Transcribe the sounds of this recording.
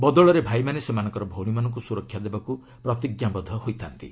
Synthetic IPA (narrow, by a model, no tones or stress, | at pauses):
bɔd̪ɔɭɔɾebʱajmanesemanɔŋkɔɾɔbʱowɽ̃imanɔŋk̬usuɾɔkʰjad̪ebaku | pɾɔt̪iɡjabɔd̪ʱɔhojt̪ʰant̪ḭ